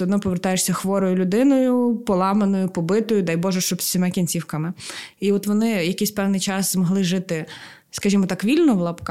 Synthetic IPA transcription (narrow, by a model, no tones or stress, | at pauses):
ɛɔd̪nɔpɔʋert̪ɑjeʂsʲɐxʋɔɾɔjʊlʲʊd̪ɪnɔjʊpɔlˠɑmenɔjʊpɔbɪt̪ɔjʊd̪ɑjbɔʒɛʃt͡ʃɔbsʲsʲimɛkʲinʲt͡sʲiwkɐmɪiɔt̪ʋɔnɪjɐkɪjsʲpɛwnɪjt͡ʃɑszmɔɦlˠɪʒɪt̪ɪ | skɐʒʲimɔt̪ɑkʋʲilʲnɔʋlˠɐpk